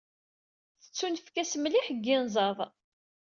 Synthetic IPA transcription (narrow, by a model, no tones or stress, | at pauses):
θə̥t͡sːunəfkæsmliħəɡːɪnzˤɑðˤ